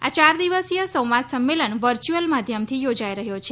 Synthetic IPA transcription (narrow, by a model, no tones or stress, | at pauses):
a̰t͡ʃaɾd̪iʋəsijəsəwʋat̪səmːelənʋəɾt͡ʃuəlmad̪ʱjəmt̪ʰijod͡ʒajɾəɦjot͡ʃʰe